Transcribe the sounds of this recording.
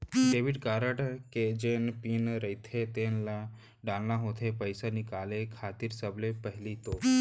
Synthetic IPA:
ɖeːʋiɖkaːɾəʈked͡ʒenpinɾəit̪ʰet̪enla | ɖãlnãɦõt̪ʰepəjsanikaːlekʰaːt̪iɾsəblepəɦlit̪oː

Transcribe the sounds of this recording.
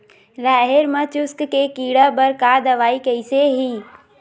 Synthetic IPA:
laːɦɪɾmə̃t͡ʃʊskkekiːɽəbəɾkaːd̪ɐʋaːikɐiseɦiː

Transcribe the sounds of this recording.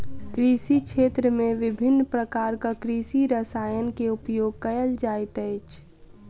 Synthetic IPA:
kɾiːsikʃʰeːt̪ɾəmẽʋɪbʱɪnːpɾəkaːɾkakɾiːsiɾəsaːjənkeʊpjoːɡ̚kəjəld͡ʒaːɪt̪əɪt͡ʃʰ

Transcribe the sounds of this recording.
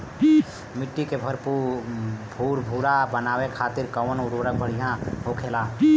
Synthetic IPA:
mɪʈːikebʱəɾpu | bʱuːɾbʱuːɾabənaːwekʰaːt̪ɪɾkəwənoɾoɾək̚bʱəɾjəɦãɦokʰeːla

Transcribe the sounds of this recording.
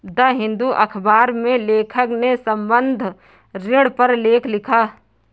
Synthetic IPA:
d̪ɐɦɪ̃nd̪uʔɐkʰbaːɾmẽleːkʰəknesɐ̃mbə̃nd̪ʱ | ɾɪɽpɐɾleːkʰlɪkʰaː

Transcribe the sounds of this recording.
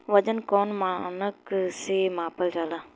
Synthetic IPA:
ʋɐd͡ʒənkoːnmaːnəksemãːpəld͡ʒaːlaː

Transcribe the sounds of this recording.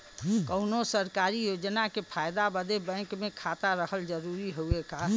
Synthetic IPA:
kəʊnosəɾkaːɾijod͡ʒnakepʰaːjd̪abəd̪ebɛ̃kmẽkʰat̪aɾəhəld͡ʒəɾuɾiɦoeka

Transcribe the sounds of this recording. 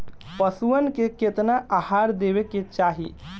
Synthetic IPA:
pəsuənkeket̪naʔaɦaɾd̪ebeket͡ʃaːɦḭ

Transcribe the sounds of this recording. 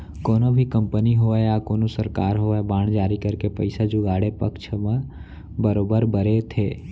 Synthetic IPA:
koːnobʱikə̃mpəniɦoaakoːnosəɾkaːɾɦoːebãːɽ̃d͡ʒaːɾikəɾkepəɪsad͡ʒʊɡaːɽepəkʃʰmə̃ | bəɾoːbəɾbəɾet̪ʰeː

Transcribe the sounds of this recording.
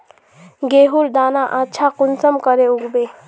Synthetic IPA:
ɡeɦuɾd̪anaʔatːt͡ʃʰakunsəmkəɾeuɡbe

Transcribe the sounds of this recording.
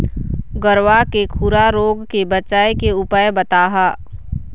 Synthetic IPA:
ɡəɾʋakekʰuɾaɾoːɡkebət͡ʃaːekeʊpajbət̪aːɦaː

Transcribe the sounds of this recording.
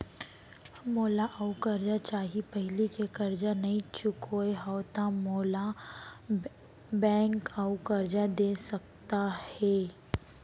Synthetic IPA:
moːlaʔaukɐɾd͡ʒat͡ʃaːɦipɛɦɪlikekɐɾd͡ʒanɐɦĩt͡ʃʊkʰoeɦɐwt̪amoːla | bɛ̃ːŋkaukɐɾd͡ʒad̪eːsɐkt̪ahɛː

